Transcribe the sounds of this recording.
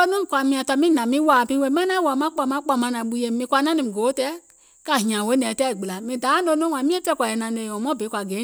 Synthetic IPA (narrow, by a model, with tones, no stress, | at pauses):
o˦nũ˦˨kʷa˨mĩ˧ã˧tɔ˧mĩ˦nã˨mĩ˦wa˨pĩ˦we˧˦mã˦nã˦wa˨mã˦k͡pa˧˨mã˦k͡pa˧˨mã˧˦nã˨ɓu˧je˨mĩ˧kʷa˧˨nã˦nĩ˨ɡo˨˦tɛ˦ | ka˨ɦĩ˨ã˨we˦nɛ̃ː˨tɛ˦˨i˨ɡ͡bi˨la˨mĩ˧da˨˦no˧˦nõ˦˨ã˨mĩ˦e˦fɛ˦kʷa˨ɛ˨nã˨˦ne˧˨ɔ̃˨mɔ̃˦˨be˨˦kʷa˨ɡe˨˦